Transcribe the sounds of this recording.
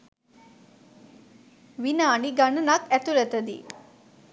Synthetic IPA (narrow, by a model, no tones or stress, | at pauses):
ʋinaːɳiɡanənakæt̪uɾæt̪əd̪ḭ